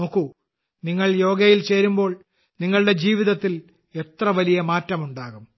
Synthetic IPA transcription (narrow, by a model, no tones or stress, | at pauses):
o̞ːkːu | niŋːɐɭjo̞ːɡɐjilt͡ɕe̞ːɾumbo̞ːɭ | niŋːɐɭɨɽe̞d͡ʑiːʋiðɐt̪ːil | e̞t̪rɐʋɐlijɐmaːtːɐmuɳɖaːɣum